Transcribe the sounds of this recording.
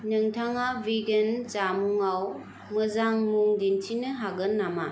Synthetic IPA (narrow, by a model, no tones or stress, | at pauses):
nɯŋtʰaŋabiɡent͡ʃamuŋaw | mɯzaŋmuŋdintʰinɯɦaɡɯnːama